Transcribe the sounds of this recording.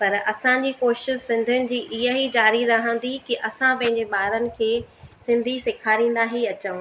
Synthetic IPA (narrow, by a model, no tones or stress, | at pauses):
pɐɾɐsãd͡ʑiːkoːʃɪʃɪzsɪ̃nd̪ʱʊnɪ̆d͡ʑiːʔɪɦəɦid͡ʑaːɾiɾɐɦə̃nd̪ikiʔɐsãpɐ̃ɦɪ̃ɲd͡ʑeɓaːɾənɪ̆kʰeːsɪ̃nd̪ʱisɪkʰaːɾĩːn̆d̪aɦiɐt͡ɕəʋ̃